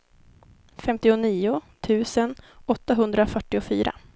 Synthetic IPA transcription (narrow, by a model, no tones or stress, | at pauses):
fɛmt̪ɪʊniːʊt̪ʰʉ̟ːsənɔt̪ːaɦɵnd̪ɾafœʈːɪʊfy̰ːɾa̰